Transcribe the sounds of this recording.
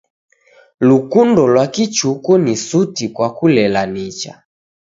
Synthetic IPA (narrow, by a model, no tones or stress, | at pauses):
lukundɔlwakit͡ʃukɔnisutikwakulɛlanit͡ʃa̰